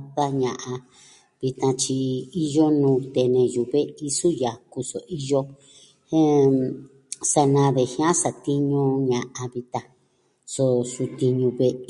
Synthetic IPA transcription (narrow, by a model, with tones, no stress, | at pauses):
ða˦ɲã˨ʔã˧ | βi˧t̪ã˧t͡ʃi˧i˦jo˦nũː˧t̪e˨nẽ˧ju˨βe˦i˧su˦ja˨ku˧so˨ʔi˦jo˦ | hẽ˦ | sa˧nã˧ðe˨hĩ˦ã˦sa˧t̪i˦ɲũ˧ɲã˨ʔa˧βi˧t̪ã˧ | so˧su˧t̪i˧ɲũ˧βe˧ʔ